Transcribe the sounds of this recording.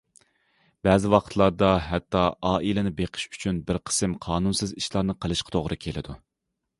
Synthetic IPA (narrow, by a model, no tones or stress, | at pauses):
bɛːzɪwɑqʰə̥t̪ʰlˠɑɾd̪ɑɦɛt̪ʰːɑʔɑːʔilɪnɪbeqʰə̥ʃy̥t͡ʃʰynbɪɾqʰə̥sɨmqʰɑːnunsɨziʃlˠɑɾnɨqʰəlˠɨʃqʰɑ̥t̪ʰoʁɾɨkʲʰelɪ̰d̪u